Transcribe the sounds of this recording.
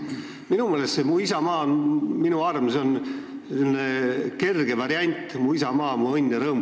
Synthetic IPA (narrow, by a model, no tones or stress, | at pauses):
minumeːlest̪semuisɑmɑːnminuɑrmso̞n | semneke̞rɡ̥e̞vɑɾiɑnʲt̪ːˑmuisɑmɑːmuɤnʲːjɑɾɤːm